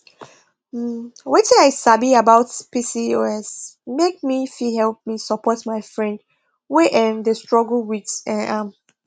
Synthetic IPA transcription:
m̩wɛtɛ̃aɪsabiabaʊtpisioɛsmek̚mifihɛlp̚misəpɔtmaɪfɹɛ̃nd | weʔɛ̃nðəstɹɔɡl̩widsɛ̃nʔãm

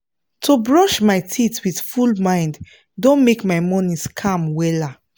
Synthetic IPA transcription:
tʰobɹɔʃmajtʰitwið̥fulmãɪ̃nd | dõnmekmajmɔnĩskʰãmwɛla

